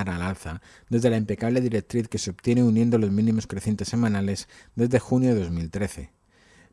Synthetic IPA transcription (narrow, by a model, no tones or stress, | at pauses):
aɾalalθa | d̪e̞zðe̞laimpe̞kaβ̞le̞ðiɾek̚t̪ɾiθke̞seopt̪je̞neunjẽnd̪o̞lo̞zmĩnĩmo̞skɾeθjent̪e̞sːe̞mãnale̞zd̪e̞zðe̞xunjoðe̞ðo̞zmilt̪ɾe̞θe